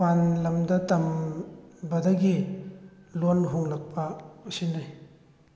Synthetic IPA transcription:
panlɐmdɐtɐm | bɐdɐɡi | lonɦuŋlɐk̚pʰɐːsinaj

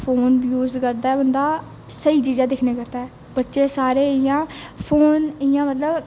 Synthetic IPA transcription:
pʰoːnjuːzkəɾd̪aːɛənd̪aː | səiːt͡ʃiːzãːd̪ɪkʰnẽːkəɾd̪aːɛː | bətːʃeːsaːɾeːɪjãːpʰoːnɪjãːmət̪ləb

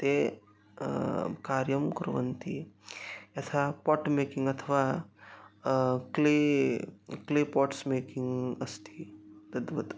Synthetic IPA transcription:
t̪e | kaːɾjəmkəɾʋə̰nt̪ʰi | ɐt̪ʰapɔʈmekĩŋɡɐt̪ʰəʋa | kle | klepɔʈsmeːkiŋɡəst̪i̥d̪ɐd̪ʋɐt̪

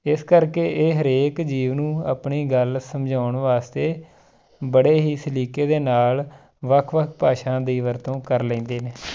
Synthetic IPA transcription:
ɪskəɾkeːʔeːɦəɾeːkd͡ʒiːʋnũːə̰pɳiːɡəlsəmd͡ʒaːʊɳʋaːst̪eː | bəɽeːɦiːsəliːkeːd̪eːnaːl | ʋəkʰʋəkʰpaːʃãːd̪iːʋəɾt̪õːkəɾlɛ̃ːnd̪eːneː

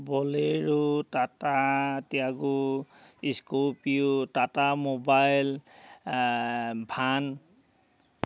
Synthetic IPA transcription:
bɔleɹotatatiaɡu | iskopiotatamobajl | bʱan

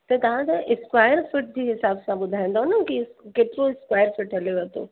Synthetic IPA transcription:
t̪ɐt̪ɐʋ̤ãt̪ɐʔɪskwaːjəɾfɪʈ̚d͡ʑiːɦɪsaːbsãbʊd̪ʱaːĩnd̪aɦʊnɐkikeːt̪ɪɾoɪskwaːɪəɾfɪʈɐleʋɐt̪o̰ː

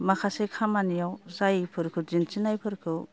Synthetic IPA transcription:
makʰasekʰamanijawzajpʰɯɾkʰɯzint͡ʃinajpʰɯɾkʰɯw

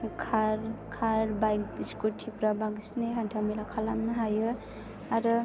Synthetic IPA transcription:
kʰaɾkʰaɾbajk̚biskutʰːipɾabaɡisniɦantʰamilakʰalamnaɦajɯ | aɾɯ

